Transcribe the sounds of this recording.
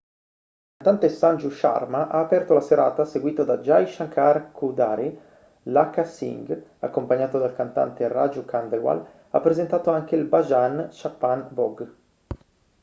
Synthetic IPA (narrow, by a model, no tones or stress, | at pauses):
ikant̪ant̪esand͡ʒuʃa̰rmaʔaːpɛrt̪olaseɾa̰ːt̪aseɡwiːt̪ad̪ad͡ʒajʃaŋkʰarkʰud̪aːɾi | lakasḭŋɡakːompaɲːaːt̪od̪alkant̪a̰nt̪era̰d͡ʒukand̪ewa̰l | a̰pːɾezent̪aːt̪oaŋkeilbad͡ʒanʃapːanbɔɡ